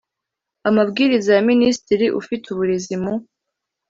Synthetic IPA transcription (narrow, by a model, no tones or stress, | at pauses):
amabɡiːɾizajaministiɾiʔṵfituβuɾezimu